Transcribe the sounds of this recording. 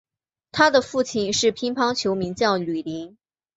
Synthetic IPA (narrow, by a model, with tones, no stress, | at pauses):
t̪ʰa˥d̪ə˨fu˥˩t͡ɕʰi˥˩nʂɻ̩˥˩pʰi˥ŋpʰɑ˥ŋt͡ɕʰjo˧˥ʊmi˧˥ŋt͡ɕjɑ˥˩ʊly˨˩li˧˥ŋ